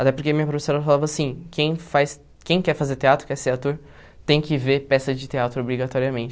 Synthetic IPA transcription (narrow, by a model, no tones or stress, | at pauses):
at̪ɛpoɾkeɐmĩɲɐp̬ɾofesoɾɐfalavɐːsĩkʰẽj̃fajs | kẽj̃kɛɾfazeɾt̪eat̪ɾʊ̥kɛɾseat̪oɾ | t̪ẽj̃kɪveɾpɛsɐzd͡ʒɪt̪eat̪ɾʊobɾiɡat̪ɔɾiɐmẽt͡ʃɪ